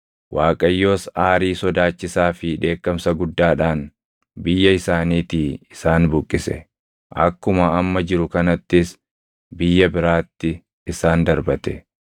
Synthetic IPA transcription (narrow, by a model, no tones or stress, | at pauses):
wʔaːkʼɐjːo̞ːsaːɾiːsɔd̪aːt͡ʃːɪsaːfɪᶑe̞ːkːɐmsɐɡʊd̪ːaːᶑaːn | bɪjːɐɪsaːniːt̪iːɪsaːnbʊkʼːɪsɛ̰ | ʔɐkːʊmɐɐmːɐd͡ʒɪɾʊkɐnɐt̪ːɪs | bɪjːɐbɪɾaːt̪ːɪː | saːnd̪ɐɾbɐt̪ɛ